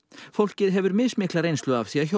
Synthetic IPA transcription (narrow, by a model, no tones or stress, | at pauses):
fowl̥cɪðɦɛvʏɾmɪðsmɪːklaɾejnst̪lʏafθiaço